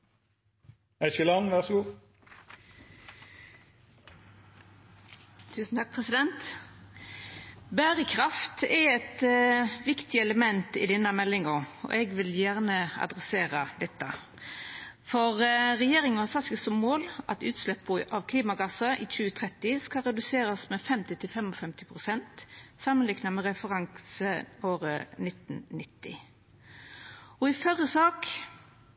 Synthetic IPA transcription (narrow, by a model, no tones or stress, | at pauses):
æʃəlɑnʋæʁsɡuː | t̪ʰʉːsn̩t̪ʰɑk̚pʰʁɛsɪd̪ɛnt̪ | bæːʁəkʰʁɑft̪ɛɛt̪ʋɪkt̪ɪɛləmɛnt̪ɪ̰d̪ɪnəmɛlːɪŋəʁɔ̰ʔɛɡʋɪljæʁnəɑ̰d̪ʁɛseːʁəd̪ɛt̪ːə | fɔʁʁɛjeːʁɪŋnhɑsɑt̪sɡəsɔmmoːlʔɑ̰t̪ʉ̰ːt̪slɛpːəʔɑʋkʰliːmɑɡɑsəʔɪc͡çʉːət̪ʰʁɛt̪ːɪskɑɾɛd̪ʉseːɾɑsmɛfɛmt̪ɪt̪ʰɪlfɛmɔfɛmt̪ɪpʰʁʊsɛnt̪sɑmːənlɪknɑmɛʁɛfəʁɑŋsəoːɾə̰nɪt̪n̩nɪt̪ːɪ̰ | ɔɪfœɾəsɑːk